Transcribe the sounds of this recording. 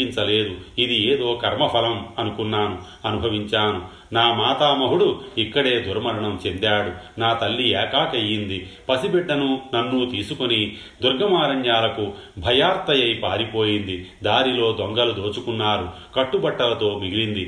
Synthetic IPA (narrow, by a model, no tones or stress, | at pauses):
iɲt͡ʃɐle̞ːd̪uid̪ieːd̪o̞ːkɐɾmɐpʰɐlɐmɐnukunːaːnu | ɐnubʱɐʋiɲt͡ʃaːnu | naːmaːt̪aːmɐɦuɽuikːɐɽe̞ːd̪uɾɐmɐɾɐɳɐmt͡ʃe̞nd̪aːɽunaːt̪ɐlːiɛːkaːkɐjːind̪ipɐsibɛɖːɐnunɐnːut̪iːsukoni | d̪uɾɡʱɐmaːɾɐɲjaːlɐkubʱɐjaːɾt̪ɐjɐjpaːɾipo̞ːjind̪id̪aːɾilo̞ːd̪oŋɡɐlud̪o̞ːt͡ʃukunːaːɾukɐʈːubɐʈːɐlɐt̪o̞ːmiɡiɾind̪i